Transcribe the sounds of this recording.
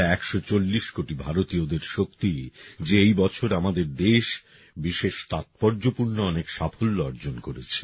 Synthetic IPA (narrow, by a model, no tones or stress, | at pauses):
ɛkʃɔt͡ɕolːiʃkoʈibʱaɾot̪iod̪eɾʃokt̪id͡ʑeejbɔt͡ɕʰoɾamad̪eɾd̪eʃ | biʃeʃt̪at̪̚pɔɾd͡ʑopuɾnoɔnekʃafolːoɔɾd͡ʑonkoɾet͡ɕʰe̥